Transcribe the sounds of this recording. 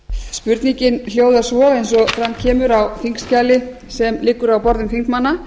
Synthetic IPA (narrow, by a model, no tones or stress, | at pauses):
spʏɾt̪niɲcɪnl̥joːwðḁsvɔejnsɔθɾamcʰɛːmʏɾawθiŋkscalɪ | sɛmlɪkːʏɾawpɔɾðʏmfiŋkmanːa